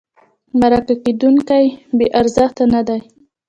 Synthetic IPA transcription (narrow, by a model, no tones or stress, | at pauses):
maɾakaked̪uŋkajbeʔaɾzɪxt̪anad̪aj